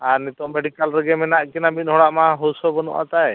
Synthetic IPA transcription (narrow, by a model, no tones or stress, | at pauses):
aɾnit̪ɔmːɛɖikalɾɛɡɛmɛnaʔkɛnabiɦɔɽaʔmaɦɔsɔbɔnṵʔa̰t̪aj